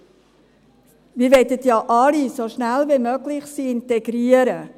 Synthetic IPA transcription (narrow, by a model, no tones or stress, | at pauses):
miːʋɛtətjɑʔɑlisoʃnælvimøɡlɪχsiɪntɛɡɾiəɾə